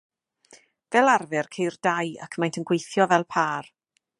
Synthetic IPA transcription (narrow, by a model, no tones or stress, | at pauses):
vɛlˠarvɪrkʰejrd̥aja̰kʰmajntʰənɡwejθjɔvɛlˠpʰaːr